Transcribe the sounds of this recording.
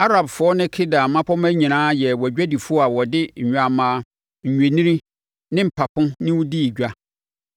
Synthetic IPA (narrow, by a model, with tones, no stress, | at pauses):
a˦ɾa˨bfʊ˨˦ɔ˦nɪ̃˦kʰɪ˦da˨mã˦pʰɔ˦mæ̃˦ɲĩ˨nãː˦jɛ˨wɔ˨ɟᶣæ˦di˨fʊ˦ɔ˦a˨wɔ˨dɪ˦ɲ̩˨ɲᶣ˨a˨mã˨ | ɲ̩˨ɲᶣẽ˨nĩ˦ɾi˦ | nɪ̃˦m̩˨pʰa˨pʰʊ̃˦nɪ̃˦wʊ˦di˦i˨d͡ʑᶣa˦